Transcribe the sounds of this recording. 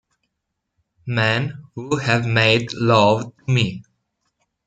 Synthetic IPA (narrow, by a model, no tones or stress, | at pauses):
mɛ̃nhuhɨvmeɪdlʌvtʰəmi